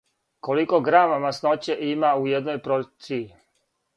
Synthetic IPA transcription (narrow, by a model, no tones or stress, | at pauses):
ko̞likoɡɾaːmamasnot͡ɕeʔimaujed̪nojpɾot̪siː